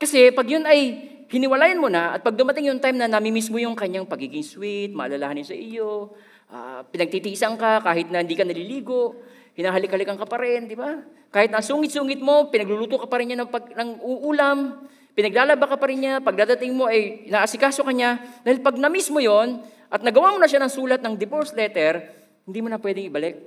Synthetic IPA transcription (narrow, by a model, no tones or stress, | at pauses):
kɐsɛpɐɡjonɐj | hɪnɪwɐlaːjɐnmonaʔɐ̰t̪̚pɐɡ̚d̪ʊmɐt̪ɪŋjʊŋt̪ajmnɐnɐmimismo̞jʊŋkɐɲaŋpɐɡiːɡɪŋswɪt̪̚mɐ̰ʔɐ̰lɐlahanjonsɐ̰ʔɪjo̞ | ʔa̰pɪnɐɡ̚t̪it̪isɐŋkakaːhɪt̪nɐhɪnd̪iːkɐnɐliliːɡo̞ʔ | hɪnaːɦɐlɪkɐlɪkɐŋkɐpɐɾɛnd̪ɪba | kaːhɪt̪nɐsuːŋɪt̪̚suːŋɪt̪̚mo̞pɪnɐɡluːluːt̪okɐpɐɾɪnɲanɐpɐɡnɐŋʔuʔuːlɐm | pɪnɐɡ̚laːlɐbakɐpɐɾɪnɲapɐɡ̚d̪aːd̪ɐt̪ɪŋmo̞ʔɐjnaʔɐsɪkaːso̞kɐɲad̪aːhɪlpɐɡ̚nɐmismojo̞n | ʔɐt̪̚nɐɡɐwamonɐʃanɐŋsuːlɐt̪̚nɐŋd̪ɪpoɹslɛːt̪ɛɾ | hɪnd̪imonɐpwɛːd̪ɪŋɪbɐlɛk̚